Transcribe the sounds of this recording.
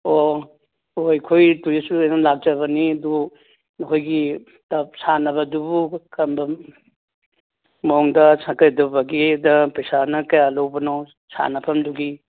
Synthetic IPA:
o | ojkʰojtujesuajnalak̚d͡ʒɐβɐniɐdu | nɐkʰojɡi | tɐp̚sanɐβɐdubukʰɐmbɐ | moŋdɐsakɐjdubɐɡidɐpɐjsanɐkɐjalowbɐnaw | sa̰nɐpʰɐmduɡi

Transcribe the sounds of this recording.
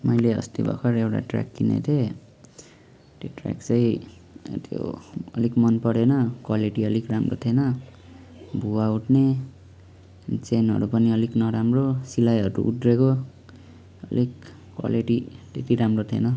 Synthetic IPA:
mʌjleʌ̰st̪ibʱʌ̰kʰʌɾewʈa̰ʈra̰kːinḛt̪ʰe | t̪joʈra̰kt͡sʌj | t̪ʰjo̰ʌ̰likmʌnpʌɽenʌkwaliʈiʌlikramro̰t̪ʰenʌ | bʱuauʈʰne | t͡senɦʌ̰ɾupʌniʌliknʌɾamrosilajɦʌɾṵʔud̪reko | ʌ̰lik | kːwa̰liʈit̪et̪iɾamrot̪ʰenʌ

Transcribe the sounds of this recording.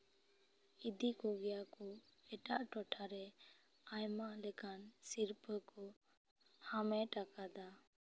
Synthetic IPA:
id̪ikɔɡɛjakɔɛʈaʔʈɔʈʰaɾɛ | ajmalɛkansiɾpəkɔ | hamɛʈakad̪a

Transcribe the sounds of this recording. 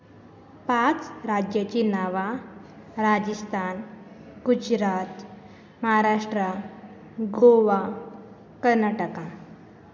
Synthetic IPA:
pãt͡sɾad͡ʑjat͡ɕinaʋa | ɾad͡ʑist̪ʰan | ɡ̥ud͡ʑɾat̪ | məɦaɾaʂʈɾə | ɡoʋa | kəɾnaʈəkã

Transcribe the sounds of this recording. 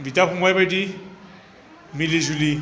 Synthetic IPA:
ditʼaχʊmwɛbɛdi | mɪlɪd͡ʒulɪ

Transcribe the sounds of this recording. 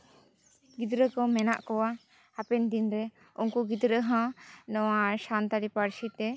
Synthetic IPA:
ɡid̪ɾəkɔmɛnaʔkɔwa | apɛnd̪inɾɛ | unkuɡid̪ɾəɦãnɔwaʃant̪aɾipaɾsit̪ɛ

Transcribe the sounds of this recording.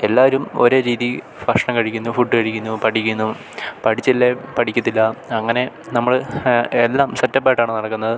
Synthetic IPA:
e̞lːaːʋɐɾumo̞ɾoːɾiːði | fɐʂɐɳɐmkɐɻikʲːunːufuʈːɨkɐɻikʲːunːupɐʈʰikʲːunːu | pɐʈʰit͡ɕːilːepɐʈʰikʲːut̪ːilːɐɐŋːɐne̞ | nɐmːɐɭelːaːmsɐtːɐpːaːjʈːaːɳɨnɐɽɐkːunːɐðɨ

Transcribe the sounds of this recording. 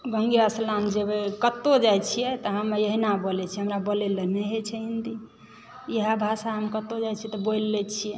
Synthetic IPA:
ɡəŋɡiɾasland͡ʒebekət̪ːod͡ʒajt͡ʃʰijɛt̪ɔɦəmjeɦinabəlɛt͡ʃʰɛɦəmɾabəleleneɦet͡ʃʰɛind̪i | jəɦabʱasaɦəmkət̪ːod͡ʒajt͡ʃʰiɛt̪ɔboilːɛt͡ʃʰijɛ

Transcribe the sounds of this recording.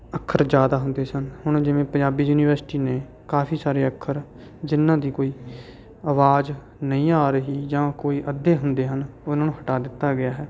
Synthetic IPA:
əkʰːəɾd͡ʒjaːd̪aːɦʊ̃nd̪eːsənhʊɳ̃d͡ʒɪʋẽːpəɲd͡ʒaːbiːjuːniːʋəɾsʈiːneː | kaːpʰiːsaːɾeːəkʰːəɾ | d͡ʒɪnːãːd̪iːkoːiː | əʋaːd͡ʒ | nəĩːaːɾəɦiːd͡ʒãːkoːiːʔəd̪eːɦʊnd̪eːɦənʊnãːnũːɦəʈaːd̪ɪt̪ːaːɡɪaːɦɛː

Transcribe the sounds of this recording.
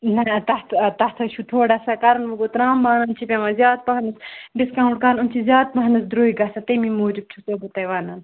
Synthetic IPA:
nɐt̪ɐht̪ʰt̪ɐht̪ʰɐʃʰut̪ʰoːɖasɐkɐɾɐnʋɐɡot̪ɾaːmbaːnɐnt͡ʃʰipʲẽmɐzʲjaːd̪̚pɐɦɐnɨsɖiskãːũɳɖ̚kɐɾnunt͡ʃʰizjaːd̪̚pɐɦɐnɐsd̪ɾoːiɡɐsɐt̪ɐmimoːd͡ʒib̚t͡ʃʰusobot̪ɐjʋaːnɐn

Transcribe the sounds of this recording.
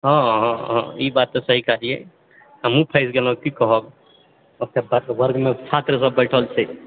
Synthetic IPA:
ɦɔ̃ɦɔ̃ɦɔ̃ibat̪ːɔsəɦikad͡ʒiɛ̰ | əmũpʰəɪsɡelɔ̃kikəɦəb | əkt̪ʰebəɾbəɾɡmet͡ʃʰat̪ɾəsəbːəɪʈʰəlt͡ʃʰɛ

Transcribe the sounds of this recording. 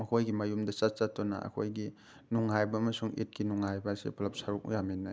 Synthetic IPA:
mɐkʰojɡimajumdɐsat͡ʃatːɔna̰a̰kʰojɡi | nuŋajbɐːmɐsuŋḭt̚kinuŋajbasḛpʰlɐp̚saɾuk̚ṵjaminːaj

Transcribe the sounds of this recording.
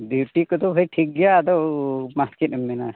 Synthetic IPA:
bjuʈikɔt̪ɔbʱəjʈʰik̚ɡɛjad̪ɔmat̪ket̪̚mːɛna

